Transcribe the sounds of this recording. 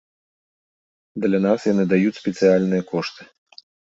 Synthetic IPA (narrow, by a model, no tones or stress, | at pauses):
d̪lʲɐnasjanɨd̪ajut͡sʲspʲɛt̪sɨjalʲnɨjɐkɔʂt̪ɨ̥